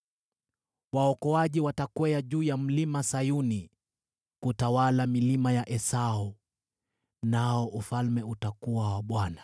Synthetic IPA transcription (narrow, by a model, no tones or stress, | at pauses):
waɔkɔaʄiwatakwɛaʄuːjam̩limasajuni | kutawalamilimajaʔɛsaɔ | naɔʔufalmɛutakuwawaɓwana